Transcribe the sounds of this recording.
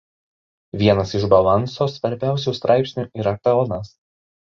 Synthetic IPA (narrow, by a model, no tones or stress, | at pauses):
ʋʲiɛnɐsɪʒbɐlˠɐnsoːsʋɐɾʲbʲæˑʊsʲuːst̪ɾʔɑɪpʲsʲnʲuˑːʔiːɾɐk̪ɐɔnɐs